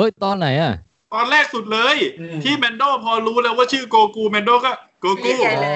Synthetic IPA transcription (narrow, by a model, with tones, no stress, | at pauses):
oː˦˥˩jt̪ɔː˧nːa˩˦jʔa˨˩ | t̪ɔː˧nlɛː˥˩k̚su˨˩t̪̚lɤː˧jt̪ʰiː˥˩mɛ˧ndoː˥˩pʰɔː˧ɾuː˦˥lɛː˦˥waː˥˩t͡ɕʰɯː˥˩koː˧kuː˧˩mɛ˧ndoː˥˩kɔ˥˩koː˧kuː˥˩